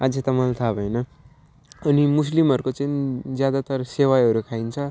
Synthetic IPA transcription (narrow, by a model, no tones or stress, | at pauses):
ad͡zet̪ʌmʌlt̪ʰabʱʌjnʌ | ʌnimuslimʌɾukot͡sʌind͡zjad̪at̪ʌrsewajʌɾukʰaint͡sʰʌ